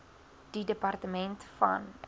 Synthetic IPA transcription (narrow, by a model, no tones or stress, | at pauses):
d̥idəpɐrtəmɛntfɐ̰n